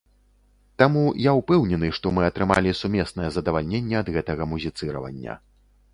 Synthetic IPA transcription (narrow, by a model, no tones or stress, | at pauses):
t̪amujawpɛwnʲɛnɨʂt̪ɔmɨɐt̪ɾɨma̰lʲisumʲɛsnɐjɛzɐd̪ɐvalʲnʲenʲːɛɐd̪ɣɛt̪ɐɣɐmuzʲit̪sɨɾɐ̰vɐ̰nʲːɐ̰